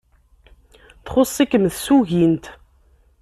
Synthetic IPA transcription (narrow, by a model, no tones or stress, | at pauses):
θχʊsˤikəmθsuʝint̪